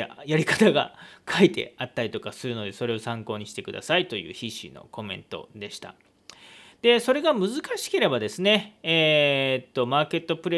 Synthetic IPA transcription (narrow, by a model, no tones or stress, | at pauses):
jaɾʲikḁt̪aɡa̰kʰait̪e̞̰at̪ːaɾit̪o̞kasɨɾɯ̟no̞d̪e̞so̞ɾe̞o̞sãŋko̞ːɲ̟iɕi̥t̪e̞kɯ̟d̪a̰sait̪o̞jɯ̟̰ːçiɕḭno̞̰ko̞mẽ̞nt̪o̞̰d̪e̞ɕi̥t̪a̰ | d̪̥e̞so̞ɾe̞ɡamɯ̟zɨkaɕi̥ke̞ɾe̞bad̪e̞sɨne̞ː | t̪ːo̞maːke̞t̪ːo̞pɯ̟ɾe